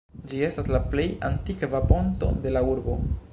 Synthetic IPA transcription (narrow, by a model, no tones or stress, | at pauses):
d͡ʒie̞staslaplejant̪ikavapo̞nt̪o̞̰d̪e̞lauɾbo̞̰